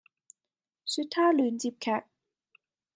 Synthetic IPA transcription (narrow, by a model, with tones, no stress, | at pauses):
sy˥t̪ʰːaː˥ly˨˥nt͡ɕi˥p̚kʰɛː˥˧˩k̚